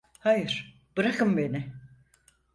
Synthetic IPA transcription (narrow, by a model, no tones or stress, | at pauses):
hajɯɾ̥ | b̥ɯɾakʰɯmbe̞nɪ